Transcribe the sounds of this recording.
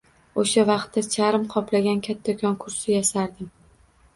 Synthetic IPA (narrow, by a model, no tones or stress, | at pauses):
oʃavɑqt̪ːat͡ʃʰaɾɪmqʰɒplaɡʲankʲʰat̪ʰːakʲʰɒnkʰʊɾsɪjaʃaɾd̪ɪm